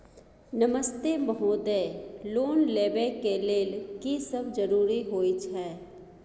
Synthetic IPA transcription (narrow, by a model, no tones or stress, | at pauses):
nəməst̪eməɦoːd̪eːloːnleːbekeleːlkisəbd͡ʒəɾuːɾiɦoːit͡ʃʰɛː